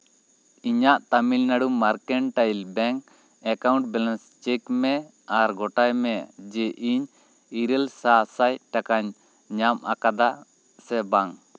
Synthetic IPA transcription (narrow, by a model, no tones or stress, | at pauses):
iɲaʔt̪amilnaɽumaɾkɛɳʈajlbɛŋ | ɛkaw̃ɳʈ̚bɛlɛnst͡ʃɛkmɛ | aɾɡɔʈajmɛd͡ʒɛʔiɲ | iɾɛlsasaj̚ʈakaɲ | ɲamʔakad̪a | sɛbaŋ